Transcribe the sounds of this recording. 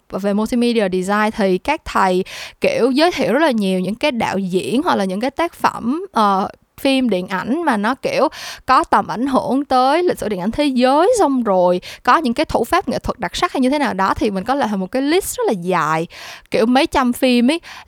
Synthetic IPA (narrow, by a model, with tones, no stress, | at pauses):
ve˨˩mu˧t̪i˧mi˧ɗi˧aː˨˩ɗi˨˩zaː˧jnt̪ʰi˨˩kaː˦˥k̚t̪ʰə˨˩jki˧˩˨əwzəː˨˦jt̪ʰḭ˧əwzə˦˥t̚laː˨˩ɲi˨˩əwɲɨ̰˧˥ŋkaː˨˦jɗa̰ː˧˨wzḭ˧˥ənɦa˨˧˩k̚laː˨˩ɲɨ̰˧˥ŋkaː˨˦jt̪aː˦˥k̚fə̰˧˩mʔəː˨˩ | fi˧mɗḭ˧˨ənʔa˧˩jŋ̟maː˨˩nɔ˨˦ki˧˩˨əwkɔ˨˦t̪ə˨˩mʔa˧˩jŋ̟ɦɨ˧˩əŋt̪əː˨˦jli̟˨˩sɨ̰˧˩ḭ˧˨nʔa˧˩ŋ̟t̪ʰe˨˦zəː˨˦jsa˧wŋ͡mzo˨˩jkɔ˨˦ɲɨ̰˧˥ŋkaː˨˦jt̪ʰṵ˧˩faː˦˥p̚ŋḛ˧˨˩t̪ʰwə˨˩t̚ɗa˨˩k̚sa˦˥k̚ha˧jɲɨ˧t̪ʰe˨˦naː˨˩wɗɔ˨˦t̪ʰi˨˩mï˨˩ŋ̟kɔ˨˦la̰ː˧˨la˨˩mo˨˩t̚kaː˨˦jli˦˥zə˦˥laː˨˩zaː˨˩jki˧˩əwmə˨˦jt͡ɕa˧mfi˧mʔə˨˦j